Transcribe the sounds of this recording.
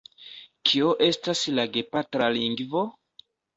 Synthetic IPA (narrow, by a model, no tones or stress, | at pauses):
kʰioʔe̞staslaɡe̞patɾaliŋɡvo